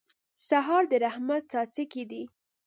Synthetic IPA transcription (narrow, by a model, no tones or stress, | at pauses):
saɦɑɾd̪əɾahmat̪̚t͡sɑt͡sikid̪i